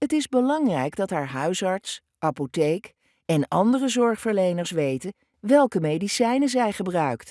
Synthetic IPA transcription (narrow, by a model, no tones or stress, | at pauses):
ɦətɪzbəlɑŋrɛjɡdɑtɦaːɹɦœɥsɑɹts | ʔɑpotejk | ɛnɑ̰ndərəzɔɹχfəɹlejnəɹsʋejtən | ʋɛlˠkəmejdisɛjnəzɛjχəbrœɥkt